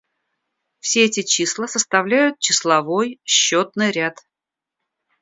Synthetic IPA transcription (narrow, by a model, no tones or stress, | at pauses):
fsʲeɛtʲɪt͡ɕislˠəsəst̪ɐvlʲæjʊt̪̚t͡ɕɪslˠɐvo̞jɕːot̪nɨjɾʲat̪